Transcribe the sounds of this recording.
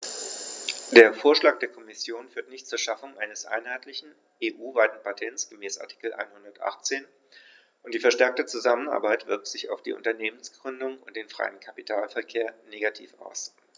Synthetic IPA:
d̥eːɐfoːɐʃlaːk̚d̥eːɐkʰɔmɪsjoːnfyːɐtnɪçtt͡suːɐʃafʊŋʔa̰ɪnəsʔa̰ɪnhaɪtʰlɪçn̩ | ʔeːʔuːvaɪtn̩patʰɛnt͡sɡ̥əmɛːsa̰tʰi̥kl̩ʔa̰ɪnhʊndɐtʔa̰χt͡seːn | ʔʊntd̥iːfɛɐʃtɛɐk̚tət͡suzaməna̰ɐbaɪtv̥ɪɐk̚tz̥ɪça̰ʊfd̥ḭːʔʊ̰ntɐneːmənsɡ̥ʁʏndʊŋʊnt̚d̥eːnfʁ̥a̰ɪənkʰapitʰaːlfɛɐkʰeːɐneːɡatʰḭːfa̰ʊs

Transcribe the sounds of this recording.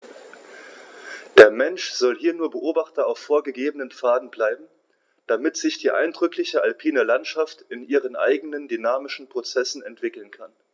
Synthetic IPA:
d̥eːɐmɛnʃz̥ɔlhiːɐnuːɐbəʔoːbaχtɐaʊfːoːɐɡəɡeːbənənfaːdn̩blaɪbm̩ | d̥amɪtz̥ɪçd̥iːʔa̰ɪndʁʏklɪçəʔalpʰiːnəlantʃaftɪnʔiːʁ̞ənʔa̰ɪɡənəndynaːmɪʃn̩pʁ̥ot͡sɛsn̩ɛntv̥ɪkl̩nkʰan

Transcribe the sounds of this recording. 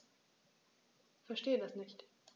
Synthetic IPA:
fɛɐʃteːədasnɪçt

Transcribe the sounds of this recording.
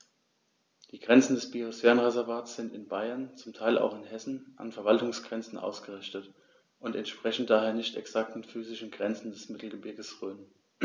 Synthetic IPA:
d̥iːɡ̥ʁɛnt͡sn̩dɛsb̥iosv̥ɛːʁənʁezɛɐvaːtsz̥ɪntɪnbaɪɐnt͡sʊmtʰaɪlʔa̰ʊxɪnɦɛsn̩ʔa̰nfɛɐvaltʊŋsɡ̥ʁɛnt͡sn̩ʔa̰ʊsɡ̥əʁɪçtət | ʔʊntɛntʃpʁ̥ɛçn̩td̥aːheːɐnɪçtɛ̰ksak̚tmɪfyːzɪʃn̩ɡʁɛnt͡sn̩dɛsmɪtl̩ɡəbɪɐɡəsʁøːn

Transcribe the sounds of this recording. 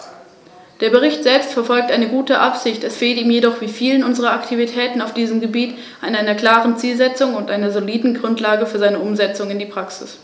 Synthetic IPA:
d̥eːɐbəʁ̞ɪçtz̥ɛlpstfɛɐfɔlk̚tʔaɪnəɡuːtəʔapz̥ɪçtɛsfeːltiːmjedɔχv̥iːfiːlənʔʊnzəʁ̞ɐaktʰivitʰɛːtn̩aʊfd̥iːzəmɡəbiːt | ʔaɪnaɪnɐkl̥aːʁənt͡siːlzɛt͡sʊŋʊntʔaɪnɐzoliːdn̩ɡʁʊntlaːɡəfyːɐzaɪnəʔʊmzɛt͡sʊŋɪndiːpʁ̥aksɪs

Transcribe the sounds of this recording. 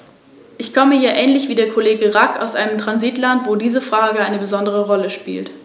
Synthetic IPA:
ʔɪçkʰɔməjaːɐʔɛːnlɪçv̥iːdeːɐkʰoleːɡəʁaka̰ʊsʔaɪnəmtʁ̥anziːtlantv̥oːdiːzəfʁ̥aːɡəaɪnəbəzɔndəʁəʁɔləʃpḭːlt

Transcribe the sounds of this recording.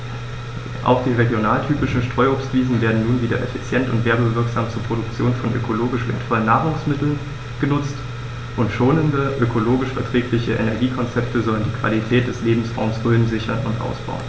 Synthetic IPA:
ʔa̰ʊxd̥iːʁeɡjonaːltʰyːpɪʃn̩ʃtʁ̥ɔʏoːpstv̥iːzn̩veːɐdn̩nuːnviːdɐʔɛfit͡sjɛntʊ̰ntv̥eːɐbəvɪɐkz̥aːmt͡suːɐpʁ̥oɾʊk̚t͡sjoːnfɔnʔø̰kʰoloːɡɪʃv̥ḛɐtfɔlənːaːʁʊŋsmɪtl̩n | ɡ̥ənʊt͡st | ʔʊntʃoːnəndəʔøkʰoloːɡɪʃfɛɐtʁ̥ɛːklɪçəʔḛnɛɐɡiːkʰɔnt͡sɛptʰəzɔləndiːkv̥a̰litʰɛːt̚d̥ɛsleːbm̩sfɔɐmsʁ̥øːnzɪçɐnʊntʔa̰ʊsb̥a̰ʊn

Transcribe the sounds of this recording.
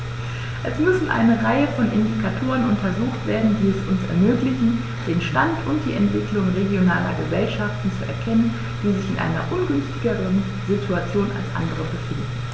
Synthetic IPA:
ʔɛsmʏsn̩ʔa̰ɪnəʁaɪəfɔnʔɪndikʰatʰoːʁənʊntɐzuːxtv̥eːɐdn̩diːɛsʊnsɛ̰ɐmøːklɪçn̩ | d̥eːnʃtantʊnt̚d̥iːʔɛntv̥ɪklʊŋʁeɡjonaːlɐ̰ɡəzɛlʃaftn̩t͡suɛ̰ɐkʰɛnən | d̥iːzɪçɪnʔa̰ɪnɐ̰ʔʊnɡʏnstɪɡəʁən | zitʰuat͡sjoːna̰lsʔa̰ndəʁəbəfɪndn̩

